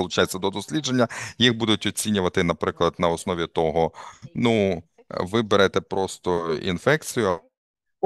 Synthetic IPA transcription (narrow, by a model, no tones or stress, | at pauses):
ɐlˠʊt͡ʃajet͡sʲːɐd̪ɔd̪ɔsʲlʲid͡ʒe̞nʲːɐjiɣbud̪ʊtʲɔt͡sʲinʲʊʋɐt̪ɪnɐpɾɪklˠɐd̪nɐɔsnɔʋʲit̪ɔɦɔnu | ʋɪbeɾɛt̪ɛpɾɔst̪ɔḭnfɛkt͡sʲijʊ